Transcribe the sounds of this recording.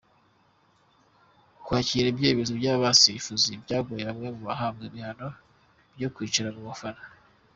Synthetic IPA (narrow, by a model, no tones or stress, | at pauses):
kwaːciɾebjeːβizobɟaːβasiifuzibɟaːɡojeamŋemuβaɦabɡemihano | bɟokwiːt͡ʃiɾaβuβofana